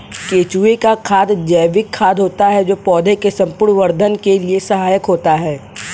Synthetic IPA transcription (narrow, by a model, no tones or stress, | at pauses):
keːt͡ʃuekakʰaːd̪d͡ʒɛːʋɪkʰːaːd̪ɦoːt̪aɦɛd͡ʒoːpɔːd̪ʱekesɐ̃mpʊɾɳʋəɾd̪ʱənkeliesɐɦaːjəkɦoːt̪aɦɛː